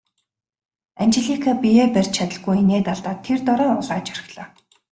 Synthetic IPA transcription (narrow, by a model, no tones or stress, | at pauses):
ænt͡ɕɪ̆ɮikʰapijeːpær̥ʲt͡ɕt͡ɕʰat̪ə̆ɮɣujeneːt̪aɮt̪aːt̪ʰːert̪ɔɾɔːʊɮaːt͡ɕœɾɪ̆xɮɔː